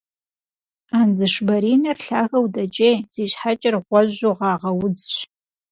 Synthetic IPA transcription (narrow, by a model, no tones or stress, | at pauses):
aːnzɨʃbɐɾiːnɐrɬaːɣɐwdɐt͡ʃʼeːjz̥iːɕħat͡ʃʼɐrʁʷɔʑʊʁɑːʁɐwʊd͡zɕ